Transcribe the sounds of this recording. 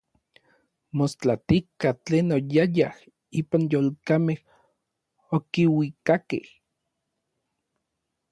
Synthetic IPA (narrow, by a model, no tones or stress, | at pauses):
most͡ɬat̪ikat͡ɬeːnojajah | iːpanjoːlkameh | okiwikakḛh